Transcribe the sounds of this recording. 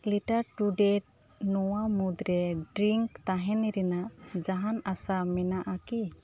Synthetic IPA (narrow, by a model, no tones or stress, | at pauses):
liʈaɾʈuɖɛʈ̚ | nɔwamud̪ɾɛɖɾiŋkt̪aɦɛniɾɛnaʔd͡ʒaɦanasamɛnaʔaki